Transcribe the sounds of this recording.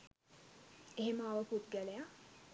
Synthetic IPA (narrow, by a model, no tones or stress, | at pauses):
eɦeməaʋəput̪̚ɡæleja